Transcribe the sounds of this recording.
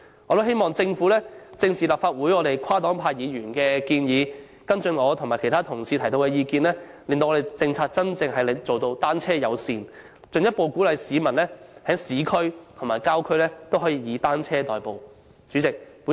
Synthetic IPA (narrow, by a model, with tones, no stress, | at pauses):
ɔː˧t̪o˥ɦe˥jmɔː˨ŋt͡sɪ˧ŋfu˨˥lɛː˥t͡sɪ˧ŋt͡sʰiː˨˩laː˨pfaː˧t̚wuː˨˥jɔː˨˧ɾe˨jkʰaː˥t̪ɔː˨˥ŋpʰaː˧jjiː˨˧ɥyː˨˩nkɛː˧kiː˧njiː˨˧ | kɐ˥nt͡ʃɵ˧nɔː˨˧t̪ʰmaː˨˩kʰe˨˩t̪ʰaː˥t̪ʰʊ˨˩ŋsiː˨t̪ʰɐ˨˩jt̪o˧wkɛː˧jiː˧kiː˧nlɛː˥le˨ŋt̪o˧ɔ˨˧e˨jt͡sɪ˧ŋt͡sʰaː˧t̚t͡sɐ˥nt͡sɪ˧ŋɦɐ˨jle˨˩t͡so˨wt̪o˧wt̪aː˥nt͡sʰɛː˥jɐ˨˧wsiː˨n | t͡ʃɵ˨ŋjɐ˥t̚po˨˧wkuː˨˥lɐ˨˧jsiː˨˧mɐ˨˩nlɛː˥hɛː˨˥ŋsiː˨˥kʰɵ˥ɥt̪ʰʊ˨˩ŋmaː˨˩jkaː˥wkʰɵ˥ɥlɛː˥t̪o˥wɦɔː˨˥jiː˧jiː˨˧t̪aː˥nt͡sʰɛː˥t̪ɔː˨jpo˨w | t͡ʃy˨˥t͡sɪ˨k̚